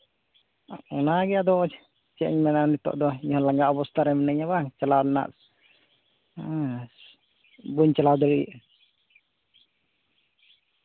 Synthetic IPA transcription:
ɔnaɡɛad̪ɔd͡ʒɛ | t͡ʃɛʔɲmɛnanit̪ɔ̰ʔd̪ɔɲɔhɔ̃laŋɡaʔɔbɔst̪aɾɛmɛnɛɲaβaŋt͡ʃalawlɛna̰ʔ | buɲt͡ʃalawd̪ɔɾiḭʔ

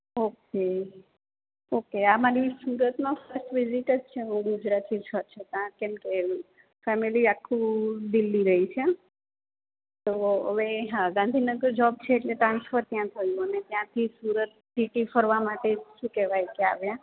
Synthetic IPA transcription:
oke | okeamaɾisuɾət̪mãfəɾsʈʋɪzɪʈəd͡ʒt͡ʃʰeɦũɡud͡ʒɾat̪it͡ʃʰəɾt͡ʃʰet̪ãkɛmke | fɛmiliakʰːũd̪ilːiɾəɦit͡ʃʰe | t̪oə̰ʋeɦãɡãnd̪ʱinəɡəɾd͡ʒɔb̚t͡ʃʰeːʈleʈɾãnsfəɾt̪jãt̪ʰəjũənet̪jãt̪ʰisuɾət̪ːiʈifəɾʋamaʈeʃũkɛʋajkea̰ʋjã

